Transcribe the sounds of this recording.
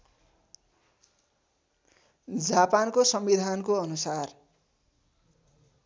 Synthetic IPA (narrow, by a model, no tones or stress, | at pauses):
d͡zapankosʌmbid̪ʱankoʌnusar